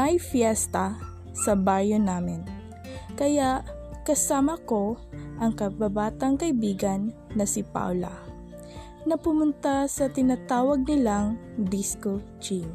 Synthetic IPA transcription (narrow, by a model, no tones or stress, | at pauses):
mɐjfjɛst̪ɐ | sɐbaːjonaːmɪn | kɐjaʔkɐsaːmɐko̞ʔɐŋkɐbabaːt̪ɐŋkɐʔɪbiːɡɐnː | ɐsɪpa̰wlɐ̰ | nɐpʊmʊnt̪asɐt̪ɪnat̪aːwɐɡ̚nɪlaŋd̪iskot͡ʃin